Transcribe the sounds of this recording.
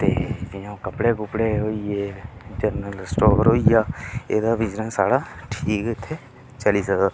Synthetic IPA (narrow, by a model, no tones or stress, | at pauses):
t̪eːd͡ʒɪjõːkəpɽeːkʊpɽeːɦoːieːt̪əɾnəlsʈoːbəɾɦoːijaːeːd̪aːbɪd͡ʒnənsaːɽaːʈʰiːkɪt̪ʰːeː | t͡ʃəliːsəkd̪